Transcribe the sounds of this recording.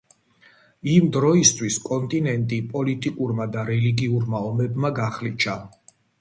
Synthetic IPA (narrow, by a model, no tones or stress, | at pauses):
imd̪ɾɔist̪ʰwiskʼɔnt̪ʼinɛnt̪ʼipʼɔlit̪ʼikʼuɾmad̪aɾɛliɡiuɾmaɔmɛbmaɡaχlit͡ʃʰa